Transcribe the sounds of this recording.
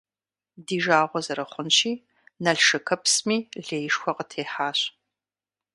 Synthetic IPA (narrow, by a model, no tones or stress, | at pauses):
diːʒaːʁʷɔzɐɾɐχʷʊnʃiː | nɐɬʃɨkʰɐpsmiːɮeːjʂxʷɔqətʰeːħaːɕ